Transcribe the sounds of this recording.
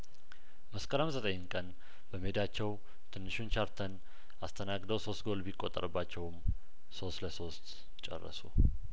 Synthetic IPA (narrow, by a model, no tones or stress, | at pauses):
məskʼəɾəmzət̪ʼəɲnkʼən | b̥əmhed̪at͡ʃːɛw | t̪ʰɨnːɨʃunt͡ʃaɾt̪ʰən | ast̪ʰənaɡd̪əwso̞st̪ɡo̞lbikʼːot̪ʼːə̰ɾɨbːat͡ʃːɛwɨm | so̞st̪ləso̞st̪ | t͡ʃʼɛ̰rːə̰su